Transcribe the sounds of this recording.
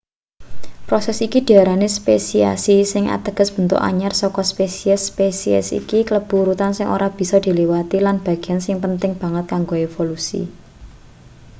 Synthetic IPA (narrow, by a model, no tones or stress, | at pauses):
pɾosɛsikid̪̥iaɾanespesia̰sisɪŋʔa̰t̪əɡ̥ə̤sb̥ə̤nt̪ʊ̰ka̰ɲarsɔkɔspesiɛspesiɛ̰sḭkikləb̥ṳɾut̪ansɪŋʔo̰ɾab̥i̤sɔd̪̥i̤liwat̪ilanb̥ä̤ɡ̥iansɪŋpənt̪ɪŋb̥a̤ŋət̪̚kaŋɡoevolusḭ